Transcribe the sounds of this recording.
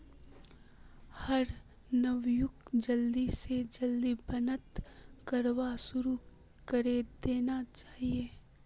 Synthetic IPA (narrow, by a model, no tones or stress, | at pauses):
hɐɾ | nəʋjʊkd͡ʒɐlːised͡ʒɐld̪ibənət̪kəɾʋasʊɾu | kəɾed̪eːnat͡ʃaːɦieː